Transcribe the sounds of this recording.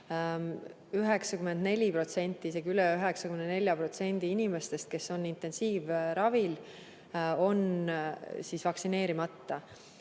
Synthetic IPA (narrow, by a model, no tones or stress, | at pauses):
yɦe̞ksɑkyme̞nd̪ne̞lʲipro̞t̪se̞nʲt̪ˑːiise̞ɡiylɛyɦeksɑkymnenelʲjɑpro̞t̪se̞nʲd̪̥iinimest̪e̞st̪̚ke̞so̞nːint̪ːˑe̞nsiːvɾɑvil | o̞n | siːsvɑksine̞ːɾimɑt̪ːɑ